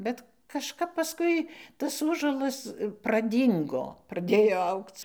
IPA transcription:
bʲɛt kɐʃˈkɐp pɐˈskʊɪ tɐs ˈuːʒuɔlˠɐs prɐˈdʲiːŋɡoː prɐˈdʲeːjoː ˈɐʊkt͡s

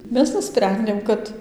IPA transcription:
ˈmʲɛs nʊˈsʲpʲrʲɛnʲdʲeːm ˈkɐt

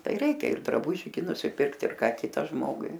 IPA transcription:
ˈtɐɪ ˈrʲɛɪkʲɛ ɪr drɐˈbʊʒʲɪ ɡʲɪ nʊsʲɪˈpʲɪrkt ɪr ˈkɑː ˈkʲɪtɐ ˈʒmoːɡʊɪ

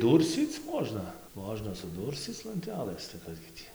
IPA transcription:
ˈduːrʲsʲt͡sʲiːt͡s ˈmoːʒnɐ ˈmoːʒnɐ sʊˈduːrʲsʲt͡sʲiːt͡s lˠɐnʲˈtʲæːlˠɘs tɐɪ ˈkɐs ɡʲɪ ˈtʲiː

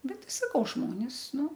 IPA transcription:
ˈbʲɛt ˈtʲɪ sɐˈkɐʊ ˈʒmoːnʲɪs ˈnʊ

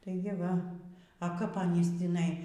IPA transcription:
tɐɪ ɡʲɪ ˈʋɐ ɐ ˈkɐp ɐˈnʲiːs tʲiːˈnɐɪ

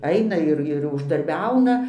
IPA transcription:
ˈɐɪnɐ ɪr ɪr ʊʒdɐrʲˈbʲɛʊnɐ

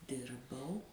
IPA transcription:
ˈdʲɪrbɐʊ

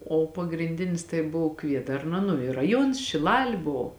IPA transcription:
oː pɐɡrʲɪnʲˈdʲɪnʲɪs tɐɪ ˈboːw ˈkʋʲiɛdɐrnɐ nʊ ɪ rɐˈjuɔns ʃʲɪˈlˠɑːlʲɪ ˈboː

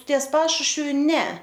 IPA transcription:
tʲiɛs ˈpɑːʃʊʃʲʋʲʊ ˈnʲɛ

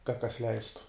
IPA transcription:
kɐt kɐs ˈlʲɛɪstʊ

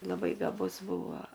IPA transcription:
lˠɐˈbɐɪ ɡɐˈbʊs ˈbuːʋoː

